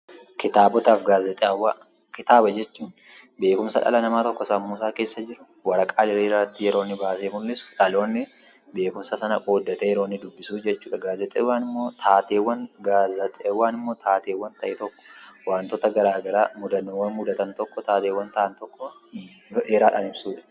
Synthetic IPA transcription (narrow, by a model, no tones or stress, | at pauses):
kɪt̪aːbɔt̪aːfɡaːzɛt̪ʼeɐwːaː | kɪt̪aːbɐd͡ʒɛt͡ʃːuːn | be̞ːkʊmsɐ̰ᶑɐ̰lɐnɐmaːt̪ɔkːɔsɐmːuːsaːke̞ːsːɐd͡ʒɪɾʊ | wɐɾɐkʼaːlɪɾiːɾat̪ːɪjɛɾo̞ːnːɪbaːseːmʊlːɪsᶑɐlo̞ːnːɪ | be̞ːkʊmsɐsɐnɐkoːd̪ːɐt̪ɛjɛɾoːnːɪd̪ʊbːɪsuːd͡ʒɛt͡ʃːuːᶑɐɡaːzɛt̪ʼeːwaːnɪmːoːt̪ʰaːt̪eːwːɐnɡaːzɐt̪ʼːwaːnɪmːo̞ːt̪ʰaːt̪eːwːɐnt̪ɐʔɛt̪ɔkːɔ̥waːnt̪oːt̪ɐɡɐɾaːɡɐɾaːmʊd̪ɐnwːɐnmʊd̪ɐt̪ɐnt̪ɔkːɔt̪aːt̪eːwːɐnt̪ɐʔɐnt̪ɔkːɔ | ʔeːɾaːᶑɐnɪbsuːᶑɐ̥